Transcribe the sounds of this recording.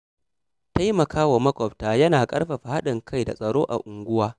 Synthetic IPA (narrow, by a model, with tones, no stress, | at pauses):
ta˦jmɐ˨kʰaː˦wa˨mɐ˦kʷɔ˨ɸtaː˨jɐ˦naː˨kʼɐ̰˦ɽɸa˨ɸa˨ha˦ɗɪ˨ŋkʰa˦jda̰˨sʼɐ˨ɽoː˦ʔa̰˨ʔʊ˨ŋɡʷʊ˦waː˦